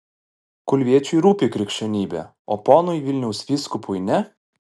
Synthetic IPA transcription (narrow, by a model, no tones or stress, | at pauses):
kʊlʲʋʲiɛt͡ʃʲʊjɾuːpʲiːkɾʲɛkʃʲt͡ʃʲɛnʲiːbʲɛ̰ | oːpɔːnʊjʋʲɪlʲnʲɛʊsʋʲiːskʊpʰʊjnʲɛ